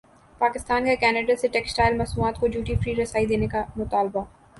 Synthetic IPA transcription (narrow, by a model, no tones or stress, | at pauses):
paːkɪst̪aːnkekɛːneɖaseʈɛːksʈaːɪlmɐsmuaːt̪kod͡ʒuːʈifɾiːɾɐsaːid̪eːnekamʊt̪aːlba